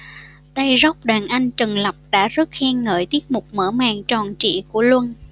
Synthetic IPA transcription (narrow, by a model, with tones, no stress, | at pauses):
t̪a˧jza˦˥k͡p̚ɗaː˨˩nʔa˧jŋ̟t͡ɕə˨˩ŋlə˨˩p̚ɗa̰ː˧˥zə˦˥t̚xɛː˧ŋːəː˧˩jt̪i˦˥ət̚mʊ˨˩k͡p̚mə̰ː˧˥˩ma̰ː˧˨ŋt͡ɕɔ˨˩nt͡ɕḭ˧˨ku˧˩əlwə˧n